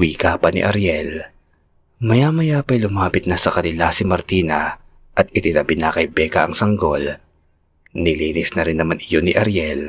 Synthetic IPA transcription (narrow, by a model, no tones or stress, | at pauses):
wiːkaːpɐnɪ̰ʔɐɾjɛl | mɐjamɐjapɐjlʊmaːpɪt̪̚nɐsɐkɐnɪlasɪmɐɾt̪iːnɐ | ʔɐt̪̚ʔɪt̪ɪnɐbɪnakɐjbɛːkɐʔɐŋsɐŋɡo̞l | nɪliːnɪsnɐɾɪnːɐmanʔɪjo̞nɪʔɐɾjɛl